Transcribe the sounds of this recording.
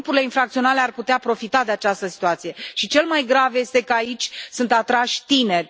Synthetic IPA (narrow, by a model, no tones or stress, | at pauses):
upuɾile̞infɾak̚t̪sio̞nalearput̪eapɾo̞fit̪ad̪e̞at͡ʃast̪əsi̥t̪uat̪sije̞ʃit͡ʃe̞lmajɡɾavje̞st̪e̞kəait͡ʃʲsunt̪at̪ɾaʃʲt̪ine̞rʲ